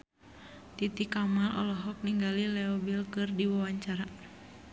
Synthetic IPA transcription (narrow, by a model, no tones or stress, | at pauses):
t̪it̪ikamalʔɔ̰lɔɦɔk̚niŋɡalilɛɔbilkɨrdiwawaɲt͡ʃaɾa